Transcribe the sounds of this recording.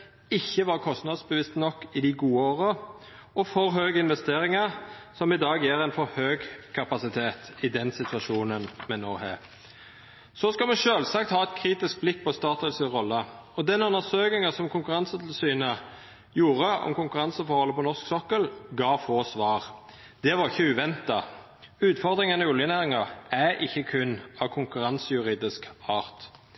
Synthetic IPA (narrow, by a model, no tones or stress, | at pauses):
ɪçːəʋɑːʁkʰɔst̪nɑd̪sbəʋɪst̪nɔkːɪd̪ɪɡuːəoːʁə | ɔfɔɾɦøːɡəɪnʋɛst̪eːɾɪŋəɾsɔmɪd̪ɑːɡjɛːʁæɪnfɔɾhøːɡkʰɑpɑsɪt̪ʰeːt̪ɪd̪ɛnsɪt̪ʰʉɑʃuːnənmɛnːo̰ːhḛ | sɔskɑmɛʃøːlsɑk̚t̪hɑːɛt̪̚kʰɾiːt̪ɪsk̚blɪkːpʰɔst̪ɑːt̪əlsəʁɔlːəɔd̪ɛnʉnəsøːkɪŋəsɔmkʊŋkʉʁɑnsət̪ʰl̩syːnə | juːɾəɔ̰mkʊŋkʉɾɑnsəfɔɾʁhɔlːəpʰɔnɔʁsksɔkːəlɡɑːfoːsʋɑːʁ | d̪̥ɛʋɑʁɪçːəʉʋɛnt̪ɑ | ʉːt̪fɔʁd̪ʁɪŋənəʉljənæːʁɪŋɑæʔɪçːəkʰʉnːɑʋkʰʊŋkʉɾɑnsəjʉʁiːd̪ɪskɑːʁt̪